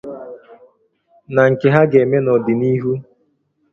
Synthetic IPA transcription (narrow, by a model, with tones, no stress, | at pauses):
na˨ŋ̩˨ke˨ɦa˦ɡe˨me˦nɔ˨dɪ˨ni˦ɦu˦